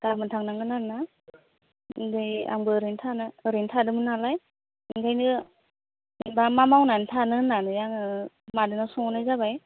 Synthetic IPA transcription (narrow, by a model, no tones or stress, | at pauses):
ɡ̥amɯntʰaŋnaŋnɯnana | ŋdɯja̰mbɯɾintʰanɯɾintʰadɯmɯnalaj | ŋɡajnɯ | ibamamawnantʰanɯnanɯjaŋɯ | madɯnasɔŋɔnɯjzabaj